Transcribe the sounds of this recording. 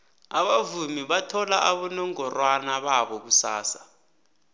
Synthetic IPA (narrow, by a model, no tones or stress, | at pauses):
aɓavumiɓatʰɔlaʔaɓɔnɔŋɔrwanaɓaɓɔk̬usa̰ːsa